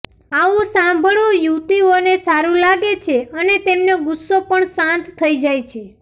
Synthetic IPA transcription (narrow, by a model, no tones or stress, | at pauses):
aʋũsãmbʱəɭojut̪ionesaɾũlaɡet͡ʃʰeənet̪emnoɡʊsːopəɳsãnt̪t̪ʰːəid͡ʒajt͡ʃʰe